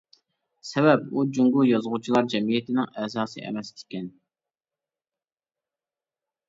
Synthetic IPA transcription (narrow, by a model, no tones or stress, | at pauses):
sɛbɛpud͡ʒuŋɡujɑzʁut͡ʃʰilˠɑɾd͡ʒɛmijɛt̪ʰɪnɪŋɛzɑːsɨ̰ʔɛ̰mɛst̪ʲɪ̥kʲɛn